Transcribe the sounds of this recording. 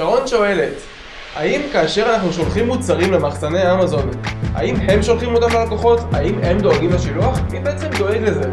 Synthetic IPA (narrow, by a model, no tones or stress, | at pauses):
aʁo̞nʃo̞e̞le̞t | a̰imkaːʃe̞ʁanaχnuʃo̞lχimːut͡saʁimle̞maχsane̞aamazo̞na̰imhe̞mʃolχimo̞t̪amlelako̞χo̞ta̰imhe̞md̪o̞aɡimleʃiluaχibe̞et͡se̞md̪o̞eɡle̞ze̞